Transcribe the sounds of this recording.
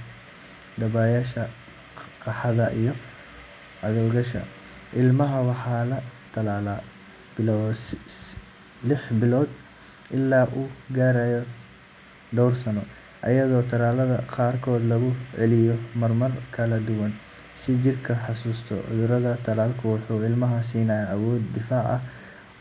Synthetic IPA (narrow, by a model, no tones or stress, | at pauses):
d̪ɐβaːjaːʃɐ | qɑħɑðɐʔijɔ | ʕɐðɔwɣɐʃɐ̰ | ʔɪlmɐɦɐwɑħɑːlɐt̪ʰɐlaːla | b̥ɪlɔː | lɪħbɪlɔːd̪ | ʔɪlːaːʔuːɡaːɾaːjɔ | ɖ̪ɔwrsɐnɔ | ʔɐjɐðɔːt̪ʰɐlaːlɐðɐqɑːrkʰɔːd̪lɐɣʊʕɛlɪjɔmɐrmɐrkʰɐlɐd̪ʊwɐn | sɪt͡ʃɪrkʰɐħɑsuːst̪ʰɔ̰ʕʊ̰ðʊɾɐðɐt̪ʰɐlaːlkʰʊwʊħuːɪlmɐɦɐs̬iːnɐːjɐʔɐwɔːd̪̚ːɪfaːʕɐ̰